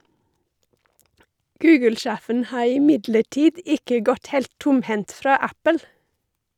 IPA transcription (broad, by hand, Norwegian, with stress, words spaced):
ˈɡʉːɡəlˌʃæːfən ˈhɑː ɪˈmɪdləˌʈiːd ˈɪkə ˈɡɔt ˈhɛlt ˈtʊmˌhɛnt ˈfɾɑː ˈæpəl